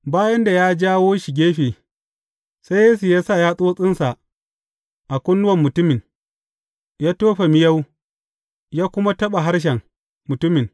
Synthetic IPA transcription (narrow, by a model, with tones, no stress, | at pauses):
baː˦jɐ˦nda˨jaː˦d͡ʒaː˦woː˦ʃɪ˨ɡʲeː˦ɸeː˨ | sa˦jjeː˦su˨jaː˦sa˦˨jaː˦sʼoː˦sʼɪ˦nsa˨ʔ | ʔa˨kʷʊ˦nːʊ˦wɐ˨mːʊ˨tʊ˦mɪ˨n | jaː˦toː˦ɸa˨mɪ˦ja˦w | jaː˦kʷʊ˦ma˦tɐ˦ɓa˨ɦa˦ɽʃ̬ɛ˨ŋ | mʊ˨tʊ˦mɪ˨n